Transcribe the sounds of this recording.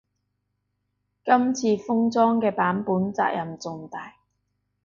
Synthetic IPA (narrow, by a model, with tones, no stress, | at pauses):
kɐ˥mt͡sʰiː˧fʊ˥ŋt͡sɔː˥ŋkɛː˧paː˨˥npuː˨˥nt͡sa̰ː˧k̚jʔɐ˨mt͡sʊ˨˧ŋt̪aː˨j